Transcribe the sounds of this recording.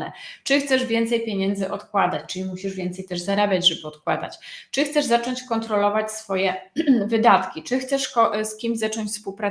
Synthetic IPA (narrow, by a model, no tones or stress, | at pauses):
nɛ̰t͡ʂɘxt̪sɛʐvʲjɛnt̪sɛjpʲjeɲɛnd̪zɘʔɔt̪kwad̪at͡ɕt͡ʂɘlʲimuɕiʐvʲɛnt̪sɛjt̪ɛʐzaɾabʲjad͡ʑʐɛbɘɔt̪̚kwad̪a̰t͡ɕt͡ʂɘxt̪sɛʐzat͡ʂɔɲt͡ɕkɔnt̪ɾɔlɔvat͡ɕsfɔjɛvɘd̪at̪kʲit͡ʂɘxt̪sɛʂkɔskʲimʑzat͡ʂɔɲt͡ɕʲfspuwpɾa